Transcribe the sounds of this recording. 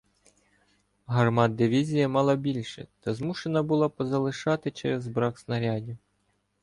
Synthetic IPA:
ɦɐrmɑd̪̚d̪ɪʋʲizʲijɐmɑlˠɐbʲilʲʃɛ̰t̪ɐzmuʃenɐbʊlˠɑpɔzɐlˠɪʃɑt̪ɪt͡ʃɛ̰ɾezbɾɑksnɐɾʲadʲiw

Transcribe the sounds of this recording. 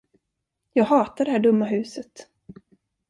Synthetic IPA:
jɑːɡɦɑːt̪aɖɛhæːɖɵmːaɦʉ̟ːsət̪

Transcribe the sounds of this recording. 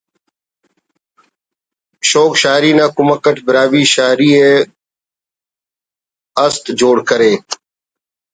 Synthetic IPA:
ʃoːkʃaːɾiːnãːkʊməkəʈʰbɪɾaːʋiːʃaːɾiːeː | əst̪d͡ʒoːɽkəɾeː

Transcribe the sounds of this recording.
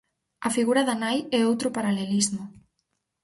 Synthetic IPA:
ɐfiɣuɾaðanajɛowt̪ɾopaɾalelizmʊ

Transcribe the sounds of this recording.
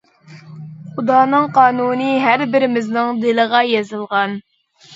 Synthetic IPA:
χud̪ɑːnɨŋqʰɑːnunɨɦæɾbɪɾɪmɪznɨŋd̪elɨʁɑjezɨlˠʁɑn

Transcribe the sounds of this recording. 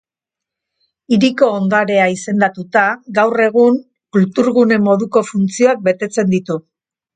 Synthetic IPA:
iɾiko̞ːnd̪aɾe̞aise̞nd̪at̪ut̪aɡawre̞ɣ̞uŋ | kult̪uɾɣune̞mːo̞ðuko̞funt͡sio̞ak̚be̞t̪e̞t͡se̞nd̪it̪u

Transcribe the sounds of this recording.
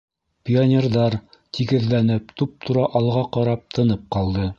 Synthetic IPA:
pʲionʲerðɑɾt̪ʰiɡɘ̆ðlænɘp̚t̪up̚t̪ʰuɾɑʔɑlˠʁɑqɑɾɑp̚t̪ʰɤ̆nɤp̚qɑlˠd̪ɤ

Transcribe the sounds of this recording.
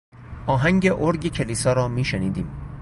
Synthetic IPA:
ʔɒːɦæŋɟeʔoɾɡecʰeliːsɒːɾɒːmiːʃeniːd̪iːm

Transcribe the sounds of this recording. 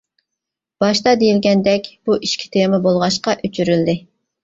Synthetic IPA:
b̥ɑʃt̪ɑd̪ejilɡʲɛnd̪ɛkʲb̥uʔiʃkʲʰi̥t̪ʰemɨbolˠʁɑʃqɑʔøt͡ʃʰyɾyld̪ɪ

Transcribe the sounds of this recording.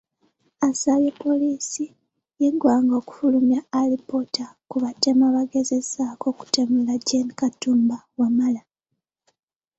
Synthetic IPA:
asaβjepːo̞liːsi | jeɟwaːŋɡo̞ːku̥fulumjaːlipo̞takuβate̞maβaɡe̞ze̞zaːko̞ku̥temulaɟenikatuːmbawamala

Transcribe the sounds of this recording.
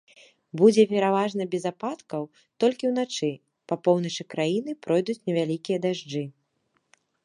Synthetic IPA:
bud͡zʲɛpʲɛɾavaʐnɐbʲɛzapat̪kɐw | t̪ɔlʲkʲiwnat͡ʂɨ | pɐpɔwn̪ɐt͡ʂɨkɾajin̪ɨpɾɔjd̪ut͡sʲnʲɛvʲalʲikʲijɐd̪aʐd͡ʐɨ

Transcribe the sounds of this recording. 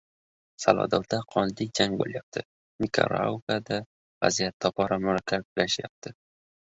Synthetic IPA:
salˠɒ̰d̪ɒld̪aqʰɒnlɪk̚d͡ʒaŋbo̰ljap̚t̪ʰɪ | mʲɪkʰa̰ɾa̰wkad̪a | va̰zijat̪ʰːɒpʰɒɾamʊɾakʲʰːakʊlaʃja̰p̚t̪ʰɪ

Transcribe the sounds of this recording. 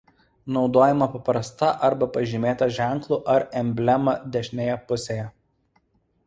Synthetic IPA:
nɒʊd̪oːjɛmɐpɐpɾɐst̪ɐʔɐɾbɐpɐʒʲɪmʲeːt̪ɐʒʲæˑŋklˠuːˑʔɐɾɛmʲbʲlʲɛmɐd̪ʲɛʃʲnʲeːjɛpʊsʲeːjɛ

